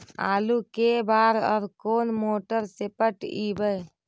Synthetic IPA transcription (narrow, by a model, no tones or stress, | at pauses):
a̰ːlukebaːɾɔ̰ːɾkoːnmoːʈəɾsepəʈibəj